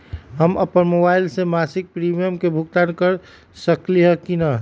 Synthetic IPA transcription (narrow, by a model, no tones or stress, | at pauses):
ɦəməpənmobaɪlsemasɪk̚pɾimijəmkebʱukt̪ankəɾ | səkliɦəkinə